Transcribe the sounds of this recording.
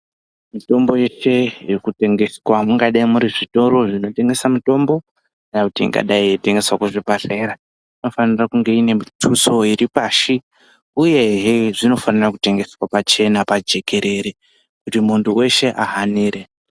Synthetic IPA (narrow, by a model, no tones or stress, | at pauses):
mito̞mbo̞jeʃe̞irikute̞ŋɡe̞swamuŋɡaɗaimuɾiʐito̞ɾo̞ʐino̞te̞ŋɡe̞samuto̞mbo̞ | anakutḭːŋɡa̰ɗaiete̞ŋɡe̞swakuʐipaɬe̞ɾa | ino̞fanirakuŋɡe̞ine̞itʰuso̞iɾipaːʃi | uje̞ɦeʐino̞fanirakute̞ŋɡe̞swapat͡ʃe̞napad͡ʒe̞ke̞ɾe̞ɾe | kutimunduwe̞ʃe̞ʔaɦaniːɾe̞